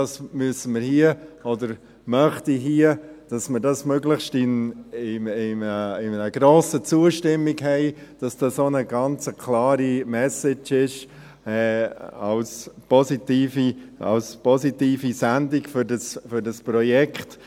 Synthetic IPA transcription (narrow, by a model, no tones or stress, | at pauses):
dɑsmyəsəməɾhiəɔdəɾ | mœχtiɦiəd̥ɑsməɾdɑsmøɡlɪχʃtɪnɪɪməɪnəɡ̥ɾoːsət͡suəʃtɪmːiɡɦhɛɪd̥ɑsd̥ɑsonəɡɑnt͡səkʰlɑːɾimɛsɪt͡ʃɪʃ | ɛːɑlspɔsit̪iːfiɑ̰lspɔsitiːfisændiɡfʏɾdɑsfʏɾdɑspɾɔjɛkχt